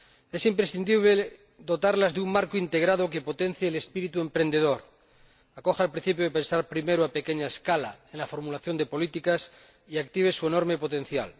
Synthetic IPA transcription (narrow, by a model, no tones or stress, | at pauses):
e̞simpɾesθind̪iβle | d̪o̞t̪aɾlazðeummaɾkoint̪e̞ɣ̞ɾaðoke̞po̞t̪en̟θjeːle̞spiɾit̪ue̞mpɾe̞nd̪eð̞o̞ɾ | ako̞xalpɾĩn̟θipjoepensaɾpɾime̞ɾoape̞keɲaeskala̰enlafo̞ɾmulaθjo̞nd̪epo̞lit̪ikas | iakt̪iβe̞sueno̞ɾme̞po̞t̪e̞n̟θja̰l